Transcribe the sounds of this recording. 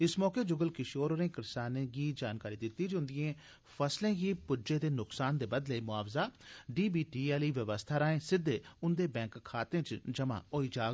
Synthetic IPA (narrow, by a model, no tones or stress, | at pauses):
ɪsmɔːkeːd͡ʒʊɡəlkɪʃoːɾoɾẽːkɪɾsaːnẽːɡiːd͡ʒaːnkaːɾiːd̪ɪt̪ːiːd͡ʒʊ̃nd̪ɪjẽː | fʰəslẽːɡiːpʊd͡ʒeːt̪eːnʊksaːnd̪eːbəd̪ləiːmʊaːʋzaːɖiːbiːʈiːɛːliːʋəʋəst̪ʰaːɾaːẽːsɪd̪ːeːʊnd̪eːbɛ̃ːŋkkʰːaːt̪ẽːt͡ʃd͡ʒəmã̰ːoːiːd͡ʒaː